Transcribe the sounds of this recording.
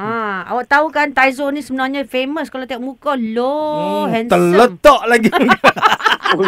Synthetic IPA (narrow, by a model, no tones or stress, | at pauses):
ãa̰waʔt̪aukant̪ajzonĩsəbənãɲãfeməskalawt̪iɔʔ̚mũkɔloɦɛnt̪ələt̪ɔʔlaɡi